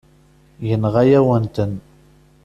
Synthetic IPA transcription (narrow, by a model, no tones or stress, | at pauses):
jənʁæjæwənt̪ən